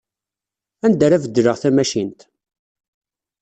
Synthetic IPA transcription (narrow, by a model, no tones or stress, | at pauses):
ænd̪æɾævəd̪ːɾəʁθæmæʃint̪